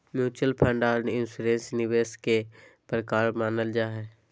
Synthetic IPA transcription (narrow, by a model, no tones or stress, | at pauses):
mjuːt͡ʃəlpʰə̃ɳɖaːɾnɪnsuːɾẽːnsnɪʋeːskepɾəkaːɾmaːnəld͡ʒaːɦɛː